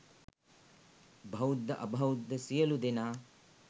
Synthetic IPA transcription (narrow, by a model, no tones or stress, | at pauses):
bʱɐwd̪ʱːɐʔɐbʱɐwd̪ːɐsijɐlud̪inaː